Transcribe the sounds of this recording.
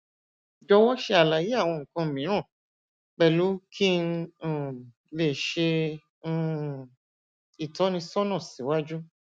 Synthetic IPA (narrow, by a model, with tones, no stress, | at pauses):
d͡ʒɔ˧wɔ˦ʃe˧a˨la˨˦ji˦a˦˨w̃ɔ̃˧ŋ̩˨kã˧˨mĩ˨˦ã˦˨ | k͡pɛ˦˨lu˨˦kʰĩ˦˨ | le˨ʃẽ˧˦ | i˨tɔ˨˦nĩ˧sɔ˦nã˦˨sĩ˨˦wa˦d͡ʒu˦